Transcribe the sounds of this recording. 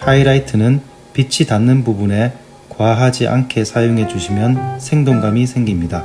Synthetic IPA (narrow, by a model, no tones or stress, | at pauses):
haiɾaitʰɯnɯn | pit͡ɕʰitanːɯnbubune̞ | kwaɦad͡ʑiʔa̰nkʰe̞sʰajoŋɦe̞d͡ʑuɕʰimjʌnsʰe̞ŋdoŋɡamisʰe̞ŋɡimɲida